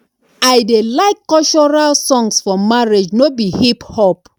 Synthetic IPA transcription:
ajdelaɪkːɔlt͡ʃɔɹalsɔ̃ŋsfɔmaɹed͡ʒnobihiphɔp

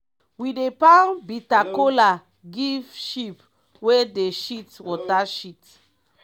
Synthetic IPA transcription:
widepanbitakola | ɡivʃip | wedeʃitwɔtaʃit

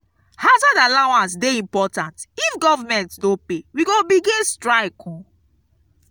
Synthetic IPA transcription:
hazadalawãnsdeĩmpɔtãntifɡɔvamɛ̃ntdõpewiɡobiɡĩnstɹaɪkʰɔ̃

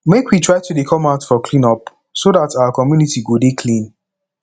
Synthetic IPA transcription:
mekwitʰɹaɪtudekʰɔ̃maʊtfɔkʰlĩnɔp | sodataʊəkɔmjunitiɡodekʰlĩn

